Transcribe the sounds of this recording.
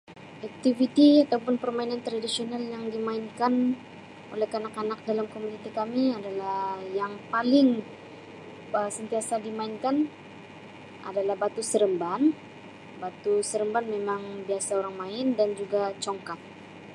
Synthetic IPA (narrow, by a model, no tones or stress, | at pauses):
ʔak̚t̪ivit̪iat̪awpʊnpərmainant̪ɾadisionaljaŋdimaɪnkan | ʔo̰lɛkanakanak̚dalamkomunit̪ikamiadalahhjaŋpalɪŋ | əsənt̪iasadimaɪnkan | a̰dalahbat̪usəɾəmban | bat̪usəɾəmbanmemaŋbiasaoɾaŋmaɪndand͡ʒuɡat͡ʃɔŋkat̪̚